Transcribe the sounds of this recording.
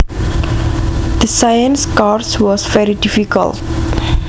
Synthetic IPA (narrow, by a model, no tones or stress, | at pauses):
d̪əsajə̃nskarswɔsvɛɾidifikə̰lt